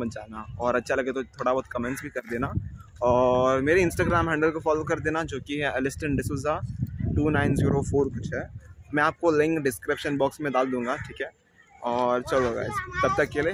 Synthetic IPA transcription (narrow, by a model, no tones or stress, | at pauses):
bɐnd͡ʒaːnaɔːɾɐtːʃʰalɐɡet̪ot̪ʰoːɽabɔːt̪̚kɐmẽɳʈsbʱikɐɾd̪eːnaɔːɾmeːɾeɪ̃nsʈaːɡɾaːmɦɛ̃ːɳɖəlkofaːloːkɐɾd̪eːnad͡ʒoːkiɐlɪsʈə̃ɳɖɪsuzaʈuːnaːɪnziːɾofoːɾkʊt͡ʃʰɦɛːmɛ̃aːp̚kolɪ̃ŋkɖɪskɾɪpʃənbɔːksmẽd̪aːld̪ũːŋɡaʈʰiːkɦɛː | ɔːɾt͡ʃɐloɡa̰ːɪzt̪ɐb̚t̪ɐkːelieː